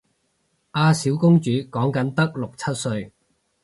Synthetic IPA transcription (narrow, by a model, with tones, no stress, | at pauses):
ʔaː˧siː˨˥wkʊ˥ŋt͡ʃyː˨˥kɔː˨˥ŋkɐ˨˥nt̪ɐ˥k̚lʊ˨k̚t͡sʰɐ˥t̚sɵ˧ɥ